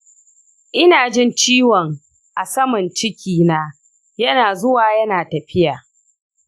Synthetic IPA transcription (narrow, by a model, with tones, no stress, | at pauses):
ʔɪ˦naː˨d͡ʒɪ˦nt͡ʃiː˦wɔ˨ŋ | ʔa˨sɐ˦mɐ˨nt͡ʃɪ˦kʲiː˦naː˦ | jɐ˦naː˨zʊ˦waː˨jɐ˦naː˨tɐ˨ɸɪ˦jaː˨